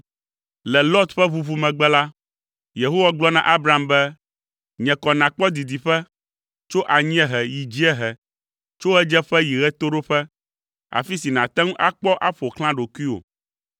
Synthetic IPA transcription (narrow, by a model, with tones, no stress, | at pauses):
lɛ˨lɔ˦t̪ɸɛ˦βu˦vu˦mɛ̃˨ɡ͡bɛ˦la˦ | je˨ɦo˦wa˦ɡ͡blɔ˦nã̰˨ʔa˦bɾa˨˦˨mbɛ˦ | ɲɛ̃˨kɔ˨nã˨k͡pɔ˦d̪i˨d̪i˨ɸɛ˦ | t͡ʃo˦ʔa˨ɲĩ˦ɛ̃˦ɦɛ˨ji˨d͡ʑi˦ɛ˦ɦɛ˨ | t͡ʃo˦ɛ˦d͡ʒɛ˦ɸɛ˦ji˨ɣɛ˦t̪o˦ɖo˦ɸɛ˦ | a̰˨fi˦si˨nã˨t̪ɛ̃˦ŋũ˦ʔa˦k͡pɔ˦ʔa˦ɸo˨kl̃ã˦ɖo˨ku˦i˦o̰˨